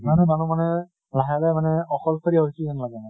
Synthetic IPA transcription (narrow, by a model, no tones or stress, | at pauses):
manɛmanumanɛ | laɦalɛmanɛɔkɔlsʰaɹiaɦojsuianlaɡɛna